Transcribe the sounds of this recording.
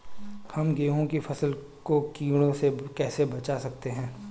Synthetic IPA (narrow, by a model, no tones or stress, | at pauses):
hɐmɡeːɦõkifʰɐsəl | kokĩːɽ̃õsekɛːsebɐt͡ʃasɐk̚t̪eɦɛ̃ː